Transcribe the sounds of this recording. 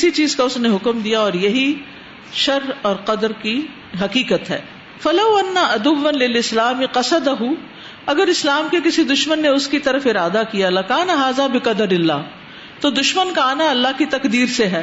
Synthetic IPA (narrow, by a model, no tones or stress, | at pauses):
ɪsit͡ʃiːzkaʊsneɦʊkmd̪ijaɔːɾjɐɦi | ʃɐɾɔːɾqɐd̪əɾki | ɦɐqiːkət̪ɦɛ̰ː | fɐlɐwɐnːaʔɐd̪ʊʋːɐnlɪlɪslaːmɪqɐsɐd̪ɐɦu | ɐɡəɾɪslaːmkek̬ɪsid̪ʊʃmənːeʊskit̪ɐɾəfɪɾaːd̪akijalɐkaːnaɦaːzabɪqɐd̪əɾɪlːa̰ː | t̪oːd̪ʊʃmənkaaːnaɐlːaɦkit̪ɐkd̪iːɾseɦɛː